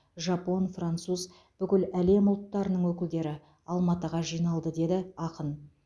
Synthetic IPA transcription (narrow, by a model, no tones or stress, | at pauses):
ʒɑpo̞nfrant̪suz | b̥ʏkʲɪlæle̞mʊlˠt̪ːɑɾənəɴwɵkʲɪld̪e̞ɾɪ | ɑlˠmɑt̪əʁɑʒijnɑlˠd̪əd̪e̞d̪ɪɑqən